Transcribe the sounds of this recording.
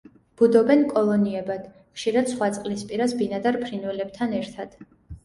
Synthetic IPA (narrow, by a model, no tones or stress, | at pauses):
b̥ud̪ɔbɛnkʼɔlˠɔniɛbad̪̥ | χʃiɾad̪̥sχwat̪sʼqʼlispʼiɾasbinad̪aɾpʰɾinwɛlɛb̥t̪ʰanɛɾt̪ʰad̪̥